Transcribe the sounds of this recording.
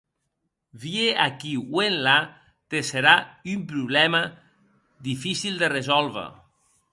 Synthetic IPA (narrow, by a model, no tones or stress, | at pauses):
βieakiwenla | t̪eseɾaympɾuβlɛma | ðifisild̪erezɔlβa̰